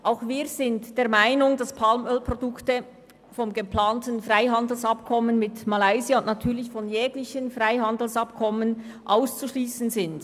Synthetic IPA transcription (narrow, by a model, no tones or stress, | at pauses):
ʔaʊxviːz̥ɪntd̥eːɐmaɪnʊŋdaspʰalmœlpʁ̥odʊktə | fɔmɡəplaːntən̩frʁaɪɦɑndl̩sɑp̚kʰɔmənmɪtmalaɪziaʊnʔnatʰyːɐlɪçfɔnjɛːɡlɪçənfraɪɦɑndl̩sɑpkʰɔmən | ʔaʊst͡suʃliːsən̩zɪnd